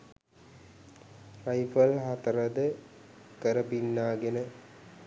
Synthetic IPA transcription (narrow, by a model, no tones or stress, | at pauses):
rajfəlɦat̪ɐɾɐd̪ə | kəɾəpinːaːɡenə